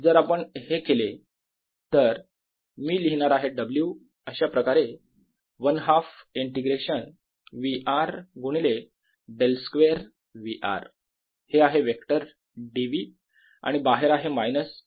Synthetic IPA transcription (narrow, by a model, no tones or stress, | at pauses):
d͡zəɾapəɳhekele | t̪əɾ | miːliɦɳaɾaɦeɖəblju | əɕapɾəkaɾe | ʋənɦafiɳʈiɡɾeɕən | ʋiʔaɾɡuɽ̃ile | ɖelskʋeɾ | ʋiʔa̰ɾ | heaɦeʋekʈəɾ | ɖiʋi | a̰ɽ̃ibaɦeɾaɦemajnəs